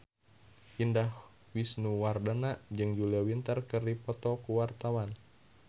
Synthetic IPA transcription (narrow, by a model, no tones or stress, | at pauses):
indah | wisnuwardanaʔd͡ʒɨŋd͡ʒuliawint̪ərkɨrdipɔt̪ɔkuwart̪awan